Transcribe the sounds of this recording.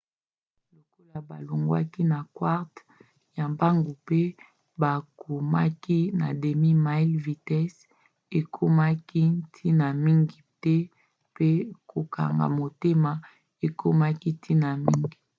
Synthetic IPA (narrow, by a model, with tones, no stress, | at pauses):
lo˨ko˦la˨ba˨lo˨ŋɡwa̰˦ki˦na˨kwa˦ʁt | ja˨mba˦ŋɡu˨pe˦ | ba˨ku˨ma˦ki˦na̰˨de˨mi˦ma˦i˦lvi˨tɛ˦s | e˨kʰo˦ma˦ki˦tʰi˦na˨mi˦ŋɡi˨tɛ˦ | pe˦kʰo˨ka̰˨ŋɡa̰˨mo˨te˦ma˨ | e˨kʰo˦ma˦ki˦tʰi˦na˨mi˦ŋɡi˨